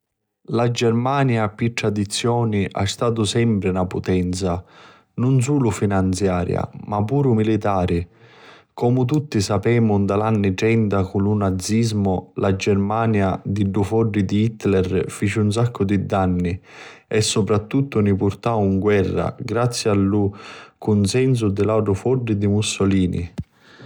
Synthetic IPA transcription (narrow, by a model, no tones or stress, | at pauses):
lad͡ʒɛrmaːnjapiʈ̪ːɾad̪it̪sːjɔːniʔa̰st̪aːt̪̬ʊsɛmpɾɪnapʊt̪ɛnt̪sa | nʊns̬uːlʊfinant̪sjaːɾja̰mapːuːɾʊmilit̪aːɾi | kɔmʊt̪̬ut̪ːisapɛːmʊnd̪alanːit͡ʃɛnd̪akulunad̪zːizmʊlad͡ʒɛrmaːnjad̪iɖːufɔɖːid̪iit̪ːlɛrfit͡ʃiuns̬akʰːʊd̪id̪anːi | ɛsːɔpɾat̪ːut̪ːʊnipʊrt̪auŋɡwɛrːa̰ɡɾat̪sːjalːʊkʊnsɛns̬ʊd̪ɪlawʈɾʊfɔɖːid̪imusːɔliːnḭ